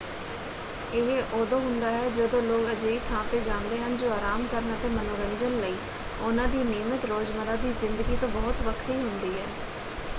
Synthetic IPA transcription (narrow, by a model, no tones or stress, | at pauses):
ɪɦʔoːd̪õːɦʊnd̪aːɦɛːd͡ʒəd̪õːloːɡəd͡ʒeːiːt̪ʰãːt̪eːd͡ʒãːnd̪eːɦənd͡ʒoːaːɾaːmkəɾənət̪eːmənoːɾə̃nd͡ʒənləiː | ʊnãːd̪iːneːmət̪ɾoːd͡ʒməɾaːd̪iːzɪnd̪əɡiːt̪õːbɔːt̪ʋəkʰɾiːɦʊnd̪iːɦɛː